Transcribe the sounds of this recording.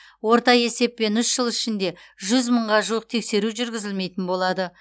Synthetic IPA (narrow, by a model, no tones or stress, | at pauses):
wo̞ɾt̪ɑje̞se̞p̚ːe̞nʏsʒəlˠɪʃɪnd̪e̞ʒʏzməɴʁɑʒuwəq̚t̪ʰe̞kse̞ɾuʒʏɾɡʲɪzɪlme̞jt̪ɪnbo̞lˠɑd̪ə